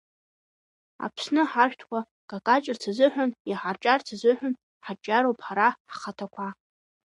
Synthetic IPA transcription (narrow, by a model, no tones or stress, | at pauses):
a̰pʰsnɨħaʃᶣtʰkʷa | kʼakʼat͡ʃʼɪrt͡sʰazɨħʷᶣanjiħart͡ʃʼart͡sʰazɨħʷᶣʊn | ħat͡ʃʼaɾowpħaɾaħχatʰakʷʰa